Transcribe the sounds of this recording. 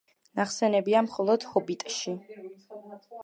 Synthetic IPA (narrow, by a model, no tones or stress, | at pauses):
naχsɛnɛbiamχɔlˠɔd̪̥hɔbit̪ʼʃi